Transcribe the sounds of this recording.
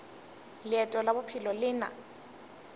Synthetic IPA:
lɪɛtʼɔlabʊpʰɪlɔlɪːna̰

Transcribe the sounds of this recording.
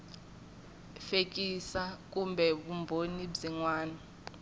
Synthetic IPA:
fek̬ʼisak̬ʼumbʱɛɓumbʱonibziŋwaːnɔ

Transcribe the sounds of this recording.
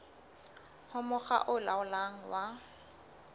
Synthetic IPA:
hʊmʊχa̰ʔʊlaʊlaŋ̩wa

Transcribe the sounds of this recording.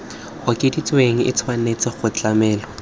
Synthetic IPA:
ʊkʼɪdit͡sʼweŋ̩ɪ̰t͡sʰwanet͡sɪχʊt͡ɬʼamɛːlɔ

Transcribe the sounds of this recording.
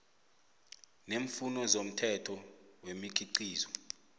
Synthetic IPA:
neɱfunɔzom̩tʰɛtʰɔwemik̬ʰʼiǀiːzɔ

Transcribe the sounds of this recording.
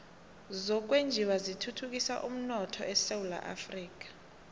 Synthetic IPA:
zɔk̬ʼwend͡ʒʱiwazitʰutʰuk̬ʼisa̰ʔṵm̩nɔtʰɔ̰ʔɛsewula̰ʔa̰friːk̬ʼḁ

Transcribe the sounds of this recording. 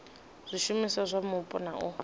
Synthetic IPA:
zʷiʃumisazʷamʊpʼʊnaʔʊ

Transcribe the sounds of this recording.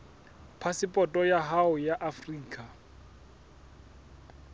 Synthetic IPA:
pʰasɪpʼɔtʼɔjaɦaʊjaʔafriːkʼa

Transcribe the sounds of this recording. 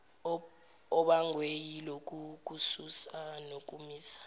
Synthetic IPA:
ɔɓaŋwejilok̬ʼuk̬ʼususanok̬ʼumiːsḁ

